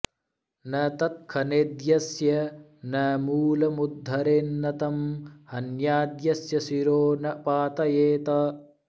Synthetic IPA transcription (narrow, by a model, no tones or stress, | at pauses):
nɐt̪ɐt̪̚kʰɐned̪jɐsjɐnɐmuːlɐmud̪ʱːɐɾeːnːɐt̪ɐmhɐnjaːd̪jɐsjɐsiɾoːnɐpaːt̪ɐjeːt̪ɐ